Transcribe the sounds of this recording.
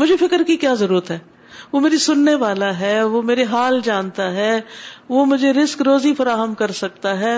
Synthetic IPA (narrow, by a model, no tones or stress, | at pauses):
mʊd͡ʒʱefɪkəɾkikjaːzɐɾuːɾət̪ɦɛː | ʋomeːɾisʊnːeʋaːlaɦɛːʋomeːɾeɦaːld͡ʒãːnt̪aɦɛːʋomʊd͡ʒʱeɾɪskɾoːzifɐɾaːɦəmkɐɾsɐk̚t̪aɦɛː